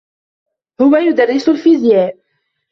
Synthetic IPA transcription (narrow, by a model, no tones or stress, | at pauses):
hʊwajʊd̪arˤːɪsʊlfizjæːd̚